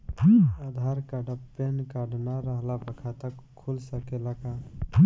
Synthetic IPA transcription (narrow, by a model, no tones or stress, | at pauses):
ad̪ʱaɾkaɖəpːenkaɖnaɾəɦlabəkʰat̪əkʰːulsəkelaka